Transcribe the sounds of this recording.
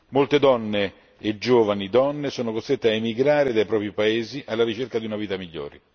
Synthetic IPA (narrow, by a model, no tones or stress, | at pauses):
molt̪ed̪ɔnːeː | d͡ʒoːvanid̪ɔnːesoːnokost̪ɾet̪ːeaemiɡɾaːɾed̪ajpɾɔːpɾipaeːziʔalːaɾit͡ʃerkad̪iunaviːt̪amiʎːo̰ːɾḛ